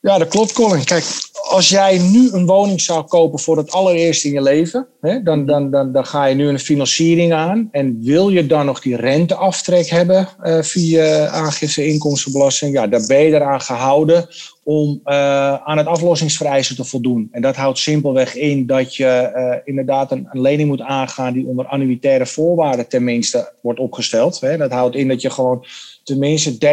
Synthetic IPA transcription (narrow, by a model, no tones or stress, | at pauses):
jadɔt̚klop̚t̚kolˠɪnkɛjkɑlˠsjɛjnyənʋoːwnɪŋsawkoːpəfʊːrdətɑlˠərɪərstɪnjəleːvə | hɛdɔndndndɔxaːjənyənfinɑnsiəɾɪŋaːnɛnʋɪlˠjədɔnːɔxdirɛntəɔftrɛkhɛbəfiəaːxɪfsəɪnkɔmstəbəlɔstɪŋjadɔbɛjədəɾaːnxəɦawdə | ɔm | aːnɦətɔflɔsɪŋsfərɛjsətəfɔlˠdunɛndɔtɦawtsɪmpəl̩ˠʋɛxɪndɔtjəɪndərdaːtəənlejnɪŋmutaːnxaːndiondəranyitɛːɾəfoːrʋaːrdətɛnmɪnstəʋɔrtɔpχəstɛlˠtɦɛdɔtɦawtɪndɔtjəxəʋoːn | tɛnmɪnstədɛ